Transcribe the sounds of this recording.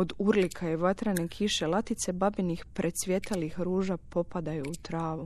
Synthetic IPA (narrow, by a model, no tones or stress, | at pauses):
od̪uɾlikʰajeʋat̪ɾanekʰiʃe̞lˠat̪it̪se̞babenixpɾʔe̞sʋʲje̞t̪alixɾuːʒapo̞pad̪ajuːt̪ɾaːʋu